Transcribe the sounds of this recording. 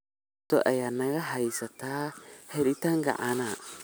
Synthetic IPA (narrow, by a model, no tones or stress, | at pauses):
tɔʔɛjanaɣaɦajsataheɾitaŋɡa̰ʔana